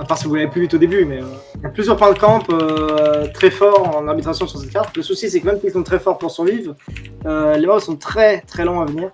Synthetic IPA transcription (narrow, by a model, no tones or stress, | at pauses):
paʁsə̥kəvulaveplyvyt̪od̪ebymɛø | japlyzjœʁpɛ̃d̪əkɑ̃pøt̪χɛfɔʁɑ̃naʁbit̪χasjɔ̃syʁsɛt̪̚kat̪ləsusisɛkmɛmpisɔ̃t̪χɛfɔʁpuʁsyʁvivʁ | ølemasɔ̃t̪χɛt̪χɛlɔ̃avəniːʁ